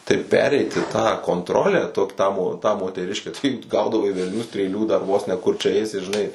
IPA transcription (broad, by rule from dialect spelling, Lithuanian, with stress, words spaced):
tɐɪ ˈpʲæːrʲɛɪtʲɪ tɑː koːntˈroːlʲæː ˈtoːk ˈtɑː moː tɑː moːtʲɛˈrʲɪʃʲkʲæː tɐɪ ˈɡɐʊdɐʋɐɪ ʋʲɛlʲˈnʲuː sʲtʲrʲeːˈlʲuː dɐr ˈʋuɔs nʲɛ kʊr t͡ʃʲɛ ˈɛɪsʲɪ ʒʲɪˈnɐɪ